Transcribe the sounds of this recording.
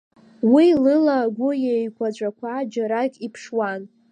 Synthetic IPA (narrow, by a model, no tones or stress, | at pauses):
wilɨlaɡʷʊjejkʷʰʼat͡ʃʷʼakʷʰad͡ʒaɾakʲʼipʰʂwan